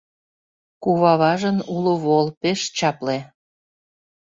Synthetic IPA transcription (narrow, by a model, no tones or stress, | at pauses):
kuβɑβɑʒənuloβolpeʃt͡ɕɑple